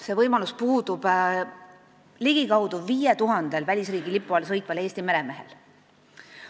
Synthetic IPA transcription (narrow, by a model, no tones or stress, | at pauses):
se̞vɤjmɑluspuːd̪̥ub̥ | liɡ̥ikɑwd̪̥uviːjet̪uɦɑnd̪̥e̞lvælʲisriːɡ̥ilipːˑuɑlsɤjt̪ˑvɑle̞ːst̪ime̞ɾe̞me̞ɦe̞̰l